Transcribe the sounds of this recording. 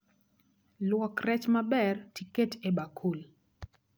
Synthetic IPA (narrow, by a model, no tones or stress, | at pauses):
lwɔkrɛt͡ʃmabɛrtiketebakʰul